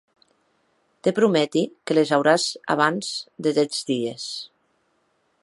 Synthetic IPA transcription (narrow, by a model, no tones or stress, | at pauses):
t̪epɾumɛt̪ikelezawɾaza̰β̞anzd̪et̪ɛd͡zd̪ies